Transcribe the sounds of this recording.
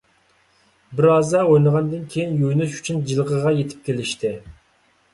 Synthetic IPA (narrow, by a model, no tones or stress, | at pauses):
bɪɾɑːzd̪ɑojnˠəʁɑnd̪ɨnkʲʰejinjojnuʃy̥t͡ʃʰynd͡ʒilˠʁəʁɑjet̪ʰɪ̥p̚kʲelɪʃt̪ʰɪ